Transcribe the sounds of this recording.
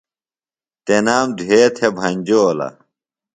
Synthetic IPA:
t̪enaːmd̪ʱueːt̪ʰebʱɐɲʲd͡ʑoːlɐ̰

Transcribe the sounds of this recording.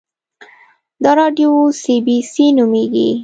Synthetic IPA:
d̪əɾɑɖjosibisinumeɡḭ

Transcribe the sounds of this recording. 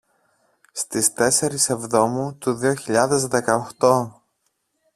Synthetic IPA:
st̪ist̪e̞se̞ɾise̞vðo̞mut̪uðioçiʎɐðe̞zðe̞kɐoxt̪o̞

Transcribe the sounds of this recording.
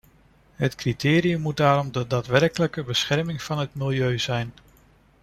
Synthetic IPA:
ɦətkritɪːɾiəmːud̚daːɾɔmdədaːtʋɛɹkələkəbəsχɛrɹmɪŋv̥ɑnɦətmɪlˠjøɥz̥ɛjn

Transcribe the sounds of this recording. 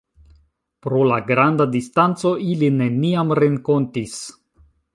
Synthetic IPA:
pɾo̞laɡɾandadistant͡so̞ʔiline̞niamɾe̞ŋko̞ntis

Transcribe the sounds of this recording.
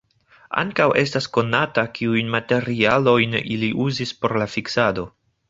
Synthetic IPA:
a̰ŋkawʔe̞s̬tasko̞natakiujnmate̞ɾialo̞jniliʔuzispo̞ɾlafiksado̞

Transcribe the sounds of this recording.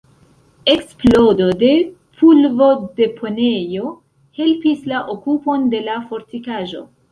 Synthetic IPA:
e̞ksplo̞do̞de̞ | pʰulvo̞de̞pʰo̞nejo̞ | he̞lpislaʔokupo̞nde̞lafo̞ɾtikaʒo̞̰

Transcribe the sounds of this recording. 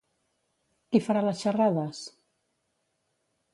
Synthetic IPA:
kifaɾaləsʃaraðəs

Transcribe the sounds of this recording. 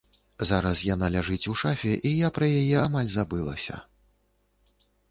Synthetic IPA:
zaɾɐsjan̪alʲaʐɨt͡sʲuʂafʲɛʔijapɾɐjajɛamalʲzabɨlˠɐ̰sʲɐ̰

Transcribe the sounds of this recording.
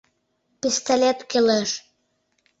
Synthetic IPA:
pʲist̪alʲet̪keleʃ

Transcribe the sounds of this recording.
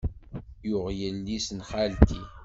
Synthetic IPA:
jʊʁjəlːisnχalt̪i

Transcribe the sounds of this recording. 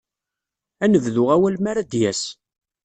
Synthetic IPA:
ænəvðʊʁæwælmaɾæd̪jæs

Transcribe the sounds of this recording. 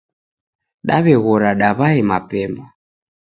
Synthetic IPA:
ɗaβɛɣɔɾaɗaβaɛmapɛmba

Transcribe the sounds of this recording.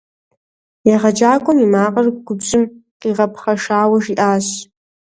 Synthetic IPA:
jaʁad͡ʒaːkʷʼʊmimaːqʼarɡ̚ʷɡʷʊbʒɪmqʼiʁapʰχaʂaːwaʒiʔaːɕ

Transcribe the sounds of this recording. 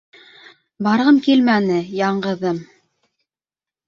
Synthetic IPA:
bɑɾʁɤmkilmænɘjɑɴɢɤ̆ðɤm

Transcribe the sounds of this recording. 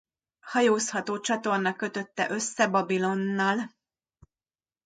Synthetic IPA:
hɒjoːshɒt̪oːt͡ʃɒt̪o̞rnɒkø̞t̪ø̞t̪ːɛ̰ʔø̞sːɛbɒbilo̞nːɒl

